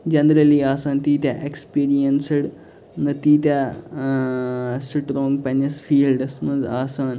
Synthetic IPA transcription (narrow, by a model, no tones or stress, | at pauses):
d͡ʒɐnɾɐliːaːsaːnt̪iːt̪ʲaʔekspiːɾijɐnsɨɽ | nɨt̪iːt̪ʲa | sʈɾõːŋɡpenisfiːlɖɐsmɐnzaːsaːn